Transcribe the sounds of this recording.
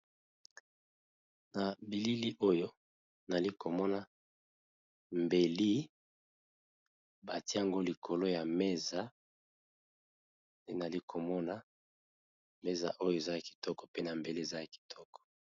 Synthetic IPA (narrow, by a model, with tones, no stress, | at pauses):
na˨bi˨li˦li˦ʔo˦jo˦ | na˨li˦ko˨mɔ˦na˦ | mbe˨li˦ | ba˨ti˦a˨ŋɡo˦li˨kʰo˨lo˦ja˨me˦za˨ | nde˦n˨a˨li˦kʰo˨mɔ˦na˦ | me˦za̰˨ʔo˦jo˦e˨za˦ja˨ki̥˨tɔ˦kɔ̥˨pe˦na˨mbe˨li˦e˨za˦ja˨ki̥˨tʰɔ˦kɔ̥˨